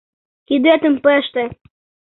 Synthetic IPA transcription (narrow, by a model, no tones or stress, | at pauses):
kid̪et̪ə̆mpəʃt̪ĕ